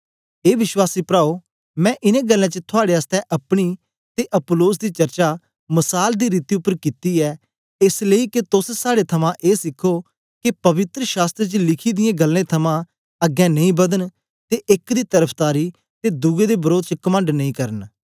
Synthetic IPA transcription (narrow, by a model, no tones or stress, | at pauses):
eːʋɪʃwaːsiːpɾaːo | mɛ̃ːʔɪnẽɡəlːãt͡ʃət̪ʰʊaːɽeəst̪ɛʔɐpɽ̃i | t̪eʔɐpʊloːs̬d̪iːt͡ʃɐɾt͡ʃa | mɐsaːld̪iːɾiːt̪iʊpːəɾkɪt̪iɛː | esleiket̪ʊssaːɽet̪ʰɐmãʔeːsɪkʰːo | kepɐʋɪt̪ɾəʃaːst̪ɾet͡ʃəlɪkʰid̪ɪjẽɡɐlːẽt̪ʰɐmã | ɐɡɛ̃nɐĩːbɐd̪ən | t̪eʔɪkd̪iːt̪ɐɾəpʰt̪aːɾi | t̪ed̪ʊɡed̪ebəɾoːd̪̚t͡ʃəkɐmə̃ɳɖnɐĩkɐɾən